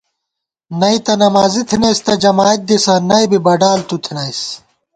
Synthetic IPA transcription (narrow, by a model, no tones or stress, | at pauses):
nɐit̪ɐnɐmaːzit̪ʰinɐjst̪ɐd͡ʑɐmaːɐt̪̚d̪isɐnɐjbibɐɖaːlt̪ut̪ʰinɐjs